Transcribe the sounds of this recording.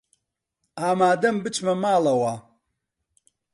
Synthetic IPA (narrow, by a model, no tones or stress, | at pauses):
aːmaːd̪ɐmbɨt͡ʃʰmɐmaːlɐwaː